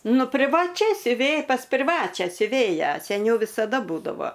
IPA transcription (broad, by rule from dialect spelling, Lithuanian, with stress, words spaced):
ˈnʊ pʲrʲɪʋɐˈt͡ʃʲɛ sʲʊˈʋʲeːj pɐs pʲrʲɪˈʋɑːt͡ʃʲæː sʲʊˈʋʲeːjæː sʲɛˈnʲɛʊ ʋʲɪsɐˈdɐ ˈbuːdɐʋoː